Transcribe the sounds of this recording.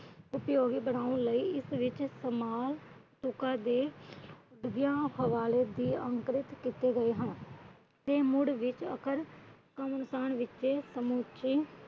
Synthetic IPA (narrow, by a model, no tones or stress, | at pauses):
ʊpjoːɡiːbəɽaːũːləiːɪsʋɪt͡ʃsəmaːlt̪ʊkãːd̪eː | ɖɡjãːhəʋaːleːd̪iːə̃ŋkɾɪt̪kit̪eːɡəeːɦə̃n | t̪eːmʊɽʋɪt͡ʃə̰kəɾ | kəmənʊsaːnʋɪt͡ʃeːsəmuːt͡ʃiː